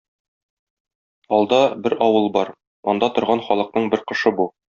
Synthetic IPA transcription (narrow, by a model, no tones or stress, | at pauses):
ɒlˠd̪ɑbɘɾɒwɤlˠbɒɾ | ɒ̰nd̪ɑt̪ŏɾʁɑnχɒlˠɤ̆q̚nɤɴbɘɾqɤ̆ʃɤbu